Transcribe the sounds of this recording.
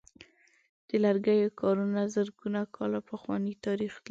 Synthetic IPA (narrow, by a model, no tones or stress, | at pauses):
d̪̥əlaɾɡajokʰɑɾunazəɾɡunakʰɑlapəxwɑnit̪ɑɾixl